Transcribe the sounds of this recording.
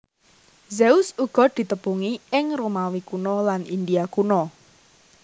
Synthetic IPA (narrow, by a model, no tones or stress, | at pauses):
zeʊsuɡ̥ɔ̤d̪̥i̤t̪əpuŋiɪŋromawikunɔlanḭnd̪iakunɔ